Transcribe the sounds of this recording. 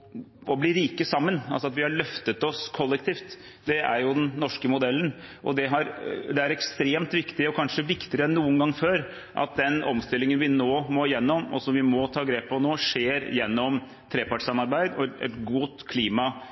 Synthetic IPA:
ɔbliɾiːkəsɑmːənɑls̬ɔɑt̪ʋɪhɑɭœft̪ət̪ɔskʰɔlːɛk̚t̪ʰiːft̪ | d̪ɛæ̰ɾjʊd̪ɛnnːɔʂkəmʊd̪ɛlːənʔɔ̰d̪ɛɦɑɾd̪ɛæɾɛkst̪ɾeːmt̪ʋɪkt̪ɪɔkʰɑnʂəʋɪkt̪ɪəɾəɛnːuːənɡɑŋːføːɾ | ʔɑ̰t̪̚d̪ɛnɔmst̪ɪlːɪŋənʋɪnoːmɔjɛnːɔmɔ̰sɔmʋɪmɔt̪ʰɑːɡɾeːpʰːɔnoːʂeːɾjɛnːɔm | t̪ʰɾeːpɑʈʂɑmɑɾbæɪd̪ɔɛɛ̰t̪ɡʊt̪kʰliːmɑ

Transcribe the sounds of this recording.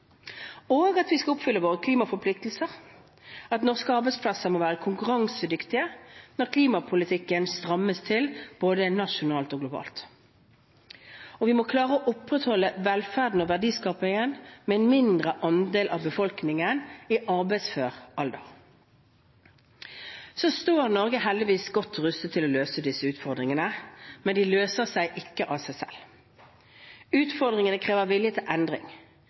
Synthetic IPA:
oːɡɑt̪ʋɪskɑʊpfʏlːəʋoːʁəkʰliːmɑfɔʁpʰlɪk̚t̪l̩səʁ | ɑt̪nɔʁskəɑʁbæɪspʰlɑsəmoːʋæːʁəkʰʊŋkʉʁɑŋsəd̪ʏkt̪ɪənɔʁkʰliːmɑpʰʊlɪt̪ʰɪkːənst̪ʁɑmːəst̪ʰɪlb̥oːd̪ənɑʂʊnɑːlt̪oːɡlʊbɑ̰ːlt̪ | ɔʋɪmɔkʰlɑːʁəɔʔʊpːʁət̪hɔlːəʋɛlfæʁd̪n̩ɔʋæʁd̪iːskɑːpɪŋənmɛɛnmɪnd̪ʁəʔɑnd̪eːlʔɑ̰ʋbəfɔlknɪŋəniʔɑʁbæɪsføːʁɑld̪ə̰ʁ | soːst̪oːʁnɔʁɡəhɛld̪ɪʋiːsɡɔt̪ːʁʉst̪ət̪ʰːɪlɔløːsəd̪ɪsːəʉːt̪fɔʁd̪ʁɪŋənəmɛnd̪ɪløːsəʁsæɪʔɪkːəʔɑsæɪsɛ̰l | ʉːt̪fɔʁd̪ʁɪŋənəkʰʁeːʋəʁʋɪljət̪ʰɪlʔɛnd̪ʁɪ̰ŋ

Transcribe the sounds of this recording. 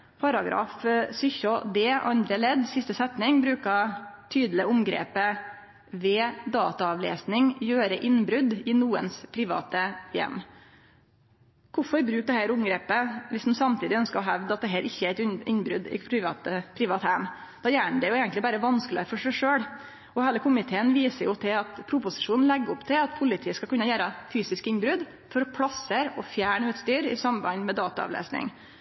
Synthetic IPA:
pʰɑɾɑɡɾɑ̰ːfsʏçɔd̪eːʔɑnd̪ɾəɛɭɛd̪sɪst̪əsɛt̪nɪŋbɾʉːkɑt̪ʰyːd̪l̩ɪəʊmɡɾḛːpə | ʋɛːd̪ɑːt̪ɑɑʋlḛːsnɪŋjøːɾəʔɪnbɾʉd̪ɪnuːə̰nspʰɾɪʋɑ̰ːt̪əjɛ̰mː | kʰʊfɔɾbɾʉːk̚d̪ɛhæːɾʊmɡɾeːpəʋɪsd̪ʉmsɑmt̪iːd̪ɪœnskəɾɔɦæʋd̪əɑt̪̚d̪ɛɦæːɾʔɪçːəæɾæɪt̪ɪnbɾʉ̰d̪ɪ̰pʰɾʋɑt̪əpʰɾiːʋɑːt̪hæmd̪̥ɑːjæːɳd̪ɛjʊeːɡənt̪lɪbæːɾəʋɑnsklɪəɾfɔʂæɪʂøːɽ | ɔhæːləkʊmɪt̪ʰeːənʋiːsəɾjʊt̪ʰɪlɑt̪pʰɾʊpʊsɪʂuːnn̩lɛɡːəʊpt̪ʰɪlɑt̪pʰʊlɪt̪ʰiːəskɑlkʉnːəjæːɾəfyːsɪskɪnbɾʉd̪ | fɔɾɔpʰɽɑsəɾɔfjæːɳəʉːt̪st̪yːɾɪ̰sɑmbɑnmɛd̪ɑːt̪ɑɑ̰ʋlḛːsnɪ̰ŋ

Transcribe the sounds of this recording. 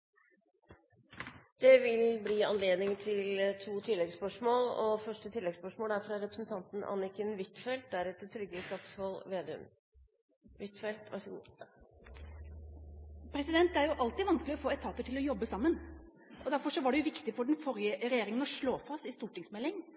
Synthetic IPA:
d̪̥ɛʋɪlbliːɑ̰nleːd̪nɪŋt̪ʰɪlt̪ʰuːt̪ʰɪlːɛɡspœʂmoːlɔ̰fœʂʈət̪ʰɪlːɛɡspœʂmoːlæɾfɾɑɾɛpɾəsn̩t̪ʰɑnt̪n̩ʔɑ̰nɪkənʋɪt̪fɛlt̪̚d̪æɾɛt̪ːət̪ʰɾʏɡːəɪst̪ɑkshɔlʋeːd̪ɛʉ̰m | ʋɪt̪fɛlt̪ʋɑ̰ʂ | pʰɾɛsɪd̪ɛnt̪æɾjʊʔɑlt̪ɪʋɑnsklɪɔfoːɛt̪ʰɑːt̪əʈʰɪlɔjɔbːəsɑmːən | ɔd̪æɾfɔʂɔʋɑɖɛjʊʋɪkt̪ɪfɔɖɛn̩fɔɾjəɾɛjeːɾɪŋənɔʂɭoːfɑst̪ɪst̪uːʈɪŋsmɛlːɪŋ

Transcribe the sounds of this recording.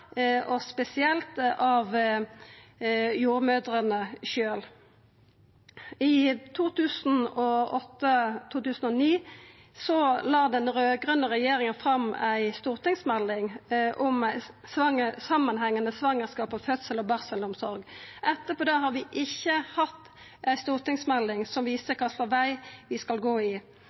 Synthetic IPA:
ɔspɛsɪɛlt̪ɑʋ | juːʁmøːd̪ʁənəʃøːl | ɪt̪ʰuːt̪ʰʉːsn̩ɔɔt̪ːət̪ʰuːt̪ʉːsən̩ɔniː | sɔlɑːd̪ɛnɾøːɡʁənəʁɛjeːɾɪŋənfʁɑmæɪst̪uːʁt̪ɪŋsmɛlːɪŋʔɔmæɪsʋɑŋəsɑmːənhæŋːənəsʋɑŋːəʁskɑːpɔmfœt̪səlɔbɑʁsəlʊmsɔɾɡʔɛt̪ːəpɔːd̪ehɑːɾʋɪʔɪçːəhɑt̪ː | æɪst̪uːʁt̪ɪŋsmɛlːɪŋsɔmʋiːsəkʰɑsɑʋæɪʋɪskɑlɡoːɪ

